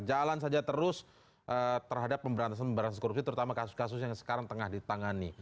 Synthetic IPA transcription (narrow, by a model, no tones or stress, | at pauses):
d͡ʒalans̬ad͡ʒat̪əɾʊs | ʔət̪ərɦadapːəmbəɾant̪as̬anpəmbəɾanakoɾup̚sit̪əɾut̪amakasʊskasʊsjaŋsə̥kaɾaŋt̪əŋahdit̪aŋani